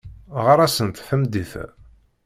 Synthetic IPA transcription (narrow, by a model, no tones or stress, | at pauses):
ʁəɾˤæsənt̪fəmd̪iθ